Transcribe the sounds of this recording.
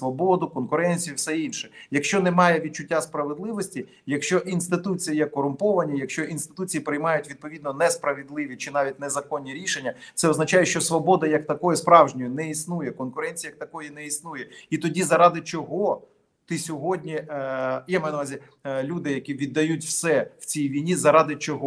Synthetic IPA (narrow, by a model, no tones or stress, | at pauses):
sʋɔbɔd̪ʊkɔnkʊɾɛnʲt͡sʲijuwsɛinʲʃɛjɐkʃt͡ʃɔnɛmɑjɛʋʲid̪̚t͡ʃʊtʲːaspɾɐʋed̪lˠɪʋɔsʲtʲi | jɐkʃt͡ʃɔʔinst̪ɪt̪ut͡sʲijijɛkɔɾʊmpɔʋɐnʲijɐkʃt͡ʃɔʔinst̪ɪ̥t̪ut͡sʲijipɾɪjmɑjʊtʲʋʲid̪̚pɔʋʲid̪nɔnɛspɾɐʋʲid̪lˠɪʋʲit͡ʃɪnɑʋʲit̚ʲnɛzɐkɔnʲːiɾʲiʃenʲːɐt̪sɛɔznɐt͡ʃɑjɛʃt͡ʃɔsʋɔbɔd̪ɐjɐkt̪ɐkɔjɛspɾɑwʒnʲɔjʊnɛisnujɛkɔnkʊɾɛnʲt͡sʲijɐk̚t̪ɐkɔjinɛisnujɛit̪ɔdʲizɐɾɑd̪ɪt͡ʃɔɦɔ | t̪ɪsʲɔɦɔdʲnʲi | jamɐjnɐʋɑzʲi | lʲud̪ɪjɐkʲiʋʲid̪ːɐjutʲwsɛw̥t͡sʲijʋʲijnʲizɐɾɑd̪ɪt͡ʃɔɦɔ